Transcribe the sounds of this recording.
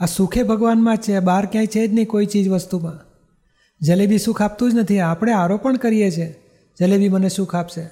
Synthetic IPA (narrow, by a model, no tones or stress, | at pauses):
asukʰebʱəɡʋanmãt͡ʃʰebaɾkjãĩt͡ʃʰed͡ʒniikoit͡ʃid͡ʒʋəst̪umã | d͡ʒəlebʱiʃũkʰap̚t̪ũd͡ʒnət̪ʰiapɽ̃eaɾopəɳkəɾijet͡ʃʰe | d͡ʒəlebʱiməneʃũkʰapʃe